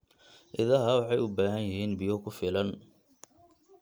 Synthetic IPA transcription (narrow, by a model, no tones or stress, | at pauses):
ʔɪðɐɦɐwɑħɑjʊbaːɦɐnjɪɦiːnbɪjɔkʰʊfɪlɐn